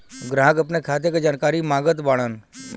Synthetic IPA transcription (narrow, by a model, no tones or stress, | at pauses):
ɡɾãːɦəkɐpnekʰaːt̪̬jeked͡ʒaːnkaːɾimaːɡət̪baːɽ̃aːn